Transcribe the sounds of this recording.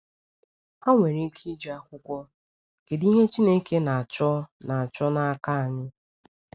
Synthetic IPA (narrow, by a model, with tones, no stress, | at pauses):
a˦ŋʷe˨ɾe˨˦kʰi˦d͡ʒe˨a˦kʷʊ˦kʷɔ˦ | ke˨di˦ɦe˦t͡ʃi˦ne˦ke˦na˨a˨t͡ʃɔ˦na˨a˨t͡ʃɔ˦na˦a˦ka˦a˨ɲɪ˦